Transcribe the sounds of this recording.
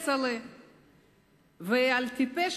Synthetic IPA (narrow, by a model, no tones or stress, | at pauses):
t͡sale | vealt̪ipeʃ